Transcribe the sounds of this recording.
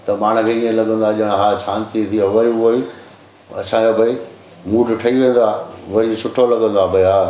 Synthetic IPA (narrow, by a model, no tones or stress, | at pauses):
t̪ɐmaːɽ̤̃ə̆kʰeiːẽlɐɡə̃n̆d̪aʄɐɽ̃ɦaːʃaːnt̪it̪ʰiɐʋɐɾioi | ɐ̰sãd͡ʑobʱɐi | muːɖʈʰɐiʋẽːn̆d̪aːʋɐɾisʊʈʰolɐɠə̃nd̪aːbʱɐiɦaː